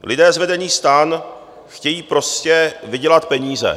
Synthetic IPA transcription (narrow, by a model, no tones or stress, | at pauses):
lɪdɛːzvɛdɛɲiːst̪aːn | xcɛjiːpɾo̞scɛvɪɟɛlat̪pɛɲiːzɛ̰